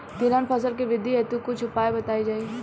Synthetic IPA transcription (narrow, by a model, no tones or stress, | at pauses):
t̪ɪɾaːnpʰɐs̬əlkeʋɪd̪ʱiɦɛt̪ukʊt͡ʃʰʊpaːebɐt̪aːid͡ʒaːi